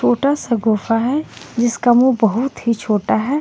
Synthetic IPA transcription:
t͡ʃʰoːʈasaɡoːfaɦɛd͡ʒɪskamubɐɦʊt̪ɦit͡ʃʰoːʈaɦɛː

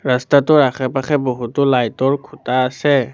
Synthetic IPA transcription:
ɹastatʊɹakʰɛpaxʰɛboɦutɔlajtɔɹkʰutaːsɛ

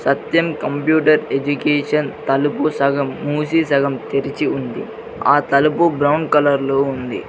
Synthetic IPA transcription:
sɐt̪jɐmkɐmpjuːʈɐɾed͡ʒukeːʂɐnt̪ɐlupusɐɡɐmːuːsiːsɐɡɐmt̪eɾit͡ʃiund̪ḭ | aːt̪ɐlupubɾɐwɳɖkɐlɐɾloːund̪ḭ

